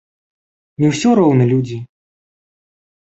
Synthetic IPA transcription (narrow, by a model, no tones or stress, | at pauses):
nʲɛwsʲɔɾɔwnɐlʲud͡zʲi